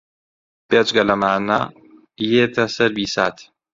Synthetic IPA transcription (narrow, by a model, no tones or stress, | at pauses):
bet͡ʃɡɐlɐmaːnɐ | jeːt̪ʰɐsɐɾbiːsaːt̪